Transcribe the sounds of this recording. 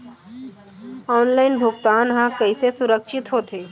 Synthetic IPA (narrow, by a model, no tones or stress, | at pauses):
ɔːnlaːɪnbʱʊɡt̪aːnɦãkəisesʊɾəkʃɪt̪ɦoːt̪eː